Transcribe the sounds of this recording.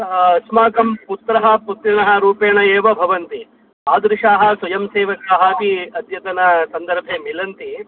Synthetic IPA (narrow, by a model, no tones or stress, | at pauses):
smaːkɐmput̪ɾɐɦɐput̪ɾinɐɦɐ̆ɾuːpeːɳɐeːʋɐbʱɐʋɐnt̪i | aːd̪ɾiʂaːɦɐ̆sʋɐjɐmseːʋɐkaːɦaːkiɐd̪ʱjɐt̪ɐnɐsɐnd̪ɐɾbʱeːmilɐnt̪i